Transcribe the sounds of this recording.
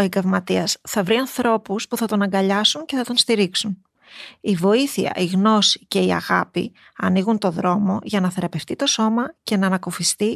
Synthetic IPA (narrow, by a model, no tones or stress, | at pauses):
o̞eŋɡɐvmɐt̪iɐsθɐvɾiɐnθɾo̞puspuθɐt̪o̞nɐŋɡɐʎɐsunce̞θɐt̪o̞nst̪iɾiksun | ivo̞iθiɐ̰ʔiɣno̞si̥ce̞iɐ̰ɣɐpḭ | ɐniɣunt̪o̞ðɾo̞mo̞ʝɐnɐθe̞ɾɐpe̞ft̪it̪o̞so̞mɐce̞nɐːnɐkofist̪i